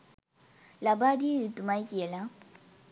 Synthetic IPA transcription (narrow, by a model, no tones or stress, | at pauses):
labad̪it̪umacila